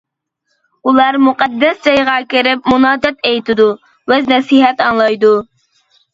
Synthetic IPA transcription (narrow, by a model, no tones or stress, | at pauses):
ulˠɑɾmuqɛd̪ːɛsd͡ʒɑjʁɑkʲɪɾɪp̚munɑːd̪ɛt̪ejt̪ʰɪd̪u | wɛznɛsiɦɛt̪ɑŋlˠɑjd̪u